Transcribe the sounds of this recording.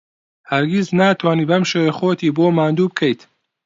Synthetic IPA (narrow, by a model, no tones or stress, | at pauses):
hɐɾɡʲiznaːt̪ʰwaːniːbɐmʃewexoːt̪ʰiːboːmaːnd̪uːbɨkʰejt̪